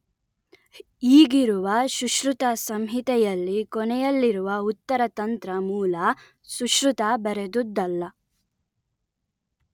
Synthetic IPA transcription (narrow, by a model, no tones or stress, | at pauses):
iːɡiɾuʋɐʃuʃɾut̪ɐsɐmɦit̪ɛjɐlːikɔnɛjɐlːiɾuʋɐut̪ːɐɾɐt̪ɐnt̪ɾɐmuːlɐ | suʃɾut̪abɐɾed̪ud̪ːɐlːɐ